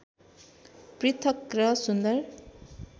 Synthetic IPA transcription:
pɾit̪ʰʌkɾʌsund̪ʌɾ

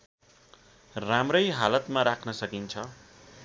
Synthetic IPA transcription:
ramrʌjɦalʌt̪maɾakʰnʌsʌkint͡sʰʌ

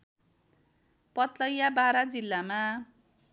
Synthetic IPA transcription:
pʌt̪lʌjabaɾad͡zilːama

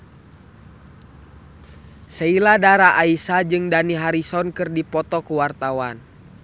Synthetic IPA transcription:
səiladaɾaʔaisad͡ʒɨŋdaniɦaɾisɔnkɨrdipɔt̪ɔkuwart̪awan

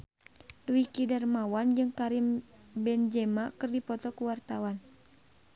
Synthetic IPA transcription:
luwikidɛrmawand͡ʒɨŋkaɾim | bɛnd͡ʒɛmakɨrdipɔt̪ɔkuwart̪awan

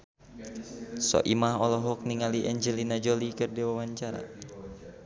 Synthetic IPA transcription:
sɔ̰ʔimaɦɔlɔɦɔk̚niŋaliʔɛɲd͡ʒɛlinad͡ʒolikərdiwawaɲt͡ʃaɾa̰

